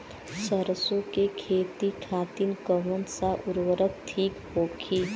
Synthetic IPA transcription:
səɾəsõkekʰeːt̪ikʰaːt̪inkəʋənsaʔʊɾwəɾək̚t̪ʰiːkhoːkʰiː

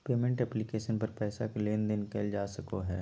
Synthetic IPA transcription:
peːmẽɳʈɛplɪkeːʃənpɐɾpɛːsakeleːnd̪ɪnkeːld͡ʒaːsɐkoɦɛː

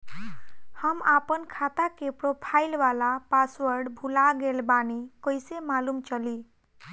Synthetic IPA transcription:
həmapənkʰat̪akepɾopʰaɪlʋalapaswəɾɖbʱulaɡelbanikojsemalumt͡ʃəli

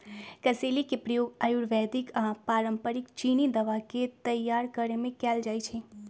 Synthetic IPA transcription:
kəselikepɾijoɡajuɾʋɛd̪ikãpaɾəmpəɾikt͡ʃinid̪əʋaket̪əjːaɾkəɾemẽkald͡ʒajt͡ʃʰe

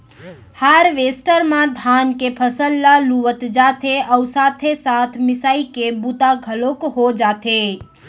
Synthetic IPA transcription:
haɾʋeːsʈəɾmãd̪ʱaːnkepʰəsəlːaluʋət̪d͡ʒaːt̪ʰeʔəʊsaːt̪ʰesat̪ʰmɪsaːikebut̪aɡʱəlokɦod͡ʒaːt̪ʰe

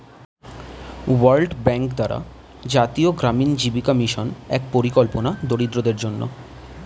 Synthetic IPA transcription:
waɾlɖbɛŋkd̪aɾa̰ | d͡ʑat̪ioɡɾamind͡ʑibikomiʃonɛk̚poɾikolponad̪oɽid̪ɾod̪eɾd͡ʑonːo̰

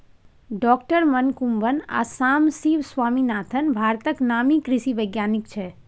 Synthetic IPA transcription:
ɖɔkʈəɾmənkumʋəna̰samsiʋsʋaminat̪ʰənbʱaɾt̪əknamikɾɪʃiʋəjɡjanikt͡ʃʰe

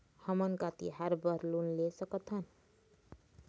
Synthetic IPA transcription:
hʌmʌnkat̪ḭɦaɾbʌɾlunlesʌkʌt̪ʰʌn

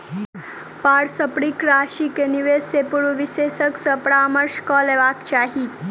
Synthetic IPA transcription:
paːɽsəpɽikɾaːʃikeniʋesepuɽuʋɪseʃəksəpɽaməɾʃkɔleʋaːkt͡ʃaːɦi

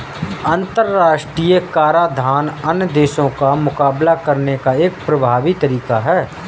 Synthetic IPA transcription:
ɐ̃nt̪əɾːaːʃʈɾiːjəkaːɾad̪ʱaːnɐnəd̪eːʃõkamʊkaːblakɐɾnekaeːk̚pɾɐbʱaːʋit̪əɾiːkaɦɛː

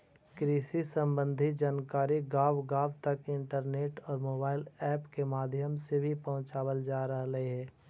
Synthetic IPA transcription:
kɾiːsisə̃mbə̃nd̪ʱid͡ʒaːnkaːɾiɡaːʋɡaːwt̪ɐkɪ̃ɳʈəɾneːʈɔːɾmoːbaːɪlɛːpkemaːd̪ʱjəmsebʱipəɦʊ̃t͡ʃaːwəld͡ʒaːɾəɦɾəɦeɦɛː

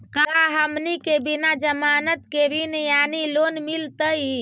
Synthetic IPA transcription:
kaɦəmnikebinad͡ʒəmanət̪keɾinjanilonmilt̪əj

